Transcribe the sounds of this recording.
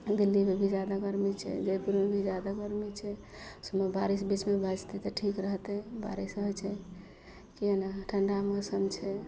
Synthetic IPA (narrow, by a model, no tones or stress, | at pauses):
d̪ilːibʱibʱid͡ʒad̪akəɾmit͡ʃʰɛ̰d͡ʒepuɾmebʱid͡ʒad̪akəɾmit͡ʃʰɛ | səməbaɾisbit͡ʃmebʱad͡ʒt̪ɛt̪ɔʈʰikɾəɦt̪ɛba̰ɾisəɦət͡ʃʰɛ | kienaʈʰəɳɖamesənt͡ʃʰɛ